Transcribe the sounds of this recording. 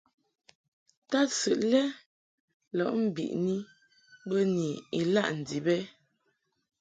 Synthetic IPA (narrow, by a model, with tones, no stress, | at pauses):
ta˦sʉ˨ʔlɛ˦ | lɔ˨ʔm̩˦bḭ˨ʔni˦ | bə˦ni˨i˨la˦ʔn̩˨di˨bɛ˦